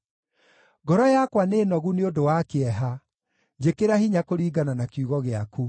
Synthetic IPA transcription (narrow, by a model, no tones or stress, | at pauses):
ɡɔɾɔjakwanenɔɣuneodowakeɛɦa | d͡ʑekeɾahiɲakoɾiːɡananakjuɣɔɣeaku